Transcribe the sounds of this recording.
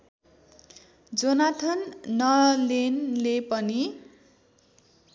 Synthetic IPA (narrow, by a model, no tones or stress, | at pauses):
d͡zonat̪ʰʌnːʌlenlepʌni